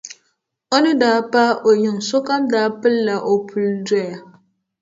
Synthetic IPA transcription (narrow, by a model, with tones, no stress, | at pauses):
o˦nɨ˦daː˨˦pa˦o˨ɲɪ˨ŋso˦ka˦mdaː˨˦pɨ˦lːa˨ʔo˨pʰu˨ldɔ˦ja˨